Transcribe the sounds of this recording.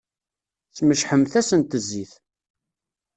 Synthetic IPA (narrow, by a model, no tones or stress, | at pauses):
θməʃħəmθæsənt̪əzːiθ